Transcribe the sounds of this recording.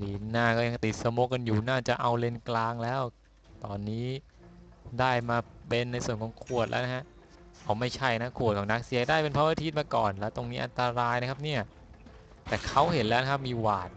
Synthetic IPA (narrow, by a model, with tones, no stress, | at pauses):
liː˨˦˩nnːaː˥˩kɔː˥˩ja˧ŋt̪i˨t̪̚sa˧moː˦˥ka˧njuː˨˩naː˥˩t͡ɕa˨˩ʔa˧wle˧nklaː˧ŋlɛː˦˥w | t̪ɔː˧nːiː˦˥˩ | daː˥˩jmaː˧pe˧nːa˧jsu˨˩ənkʰɔː˨˦ŋkʰu˨˩ət̪̚lɛ̰ː˦˥na˦˥kʰa˦˥ʔ | ʔaː˨˧˩ma˥˩jt͡ɕʰa˥˩jna˦˥kʰu˨˩t̪̚kʰɔ˩˦na˦˥k̚si˨˩˦ədaː˥˩jpe˧npʰa˦˥waː˧˥t̪ʰi˦˥˩t̪maː˧kɔ̰ː˨˩nlɛː˦˥t̪o˧ŋniː˦˥ʔa˧nt̪a˧ɾaː˧jna˦˥kʰa˦˥p̚ni˥˩ɐ | t̪ɛː˨˩kʰa˦˥whe˩˦nlɛː˦˥wna˦˥kʰa˥p̚miː˧waː˨˩t̪̚